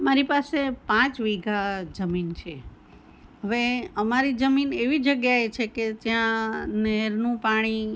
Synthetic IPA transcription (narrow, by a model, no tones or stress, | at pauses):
maɾipasepãt͡ʃʋiɡad͡ʒəmint͡ʃʰe | ɦəʋeəmaɾid͡ʒəmineʋid͡ʒəɡjaet͡ʃʰeketjãnɛɾnũpaɽ̃i